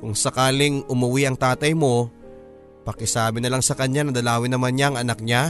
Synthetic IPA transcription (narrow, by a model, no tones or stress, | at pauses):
kʊŋsɐkaːlɪŋʔʊmʊwiʔɐŋt̪aːt̪ɐjmo̞ | pɐkɪsaːbɪnɐlaŋsɐkɐɲjanɐd̪ɐlaːwɪnɐmanɲaŋʔɐnak̚ɲa